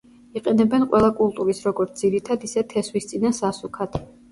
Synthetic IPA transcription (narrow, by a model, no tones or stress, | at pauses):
iqʼɛnɛbɛnqʼwɛlˠakʼulˠt̪ʼuɾisɾɔɡɔɾt̪ʰd̪ziɾit̪ʰad̪isɛt̪ʰɛswist̪sʼinasasukʰat̪ʰ